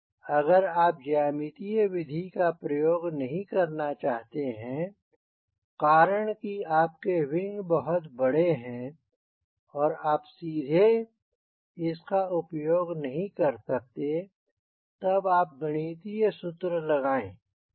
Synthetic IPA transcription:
ɐɡəɾaːp̚d͡ʒaːmit̪iʋɪd̪ʱikapɾɐjoːɡnɐɦĩkɐɾnat͡ʃaːɦt̪eɦɛ̃ | qaːɾəɽ̃kiaːp̚kewɪ̃ŋɡbɐɦʊt̪bɐɽ̤eɦɛ̃ | ɔːɾaːpsiːd̪ʱe | ɪskaʊpjoːɡnɐɦĩkɐɾsɐk̚t̪e | t̪ɐbaːp̚ɡɐɽ̃iːt̪isʊt̪ɾəlɐɡaːẽː

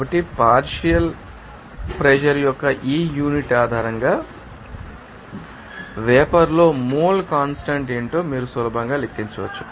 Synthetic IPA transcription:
bɐʈːipaːɾʃijɐl | pɾɛd͡ʒɐɾjɔkːɐʔiːjuːniʈaːd̪ʱaːɾɐŋɡaː | ʋɛːpɐɾlo̞ːmuːlkaːnsʈɐɳʈeːɳʈoːmiːɾusʋɐlɐbʱɐŋɡaːlekt̪ːiɲt͡ʃɐʋɐt͡ʃːu̥

